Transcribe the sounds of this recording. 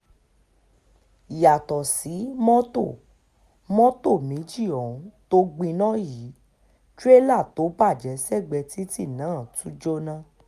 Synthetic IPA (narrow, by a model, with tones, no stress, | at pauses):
ja˨tɔ˨si˨˦mɔ̃˦to˦˨ | mɔ̃˦to˦˨mĩ˨˦d͡ʒi˦˨ɔ˨ũ˨˦to˦ɡ͡bĩ˧nɔ̃˦jiː˨˦ | t͡ʃu˦e˦la˦˨to˨˦ba˦˨d͡ʒɛ˨˦sɛ˦˨ɡ͡bɛ˧ti˦ti˦˨nãː˨˦˨tũ˨˦d͡ʒo˦nã˦